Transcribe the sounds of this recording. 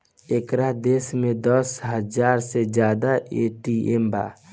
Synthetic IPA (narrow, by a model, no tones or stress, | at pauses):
ekɾad̪esmẽd̪əsɦəd͡ʒaːɾsed͡ʒjaːd̪aʔeʈiemba̰ː